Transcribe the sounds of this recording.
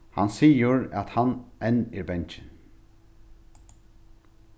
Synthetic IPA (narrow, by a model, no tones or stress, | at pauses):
hɑ̰nsiːəɹɑt̪hɑnʔɛniːɾbɛnc͡çən